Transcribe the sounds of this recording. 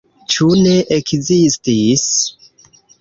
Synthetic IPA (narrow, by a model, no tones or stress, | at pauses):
t͡ʃuneʔekzistis